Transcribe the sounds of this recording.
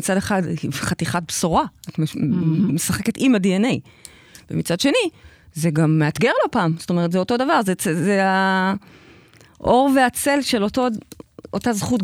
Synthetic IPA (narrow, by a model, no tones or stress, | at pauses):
it͡sadeχadχatiχat̚bsoʁaat | mesaχe̞ke̞timadiene̞j | vemit͡sadʃe̞ni | zeɡamːeat̪ɡeʁlo̞paːmzo̥to̞me̞ʁ̞etzeoto̞davaʁzet͡sezea | ʔo̞ʁveat͡se̞lʃe̞lotootazχut